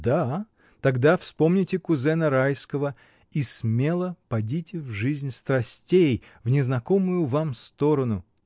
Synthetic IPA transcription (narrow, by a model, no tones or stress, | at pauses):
d̪a | t̪ɐɡd̪afspo̞mnʲɪtʲɪkʊzɛnəɾajskəvə | ismʲe̞lˠəpɐdʲitʲɪvʐɨzʲnʲst̪ɾɐsʲtʲejvnʲɪznɐkomʊjʊvamst̪oɾənʊ